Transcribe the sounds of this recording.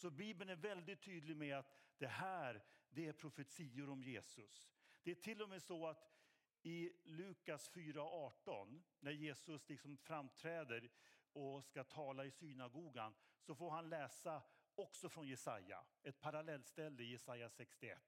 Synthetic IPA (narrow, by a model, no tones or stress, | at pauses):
sɔbiːbənæɾvɛld̪ɪt̪ʰːyːd̪lɪɡmɛat̪d̪̥ɛɦæːɾd̪ɛæɾpʰɾʊfɛt̪siːʊɾɔmjeːsɵsd̪̥ɛæʈʰɪlːɔmeːsɔat̪ | ɪlʉ̟ːkasfyːɾaɔʔɑːʈɔnːæɾjeːsɵslɪksɔmfɾamt̪ʰɾɛːd̪əɾɔskat̪ʰɑːlaɪsyːnaɡuːɡansɔfoːɾɦanlɛːsaɔksɔfɾɔnjɛsaja̰ɛt̪̚pʰaɾalɛlːst̪ɛlːəɪjɛsajːasɛkst̪ɪɛ̰t̪ː